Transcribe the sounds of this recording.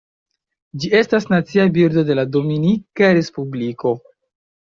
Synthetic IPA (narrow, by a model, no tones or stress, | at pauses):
d͡ʒie̞stasnat͡siabiɾdo̞de̞lado̞minikaɾe̞spubliko̞